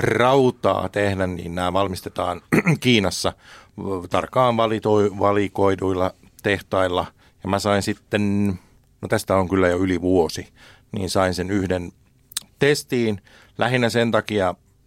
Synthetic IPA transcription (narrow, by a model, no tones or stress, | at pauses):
rɑut̪ɑ̰ːt̪ehdænnḭːnnæːʋɑlmist̪et̪ɑ̰ːnkiːnɑsːɑ | t̪ɑrkːɑːʋʋɑlit̪oiʋɑlikoiduilːɑ | t̪eht̪ɑilːɑ | jɑmæsɑinsit̪ːen | not̪æst̪æoŋkylːæjoyliʋuosi | nḭːnsɑinsenyhden | t̪est̪iːn | lʔæhinːæsent̪ɑkiɑ